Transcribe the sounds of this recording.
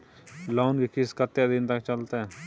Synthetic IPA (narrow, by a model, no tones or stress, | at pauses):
laːnkekɪskət̪ːjad̪ɪnt̪ɐkt͡ʃəlt̪eɦɛː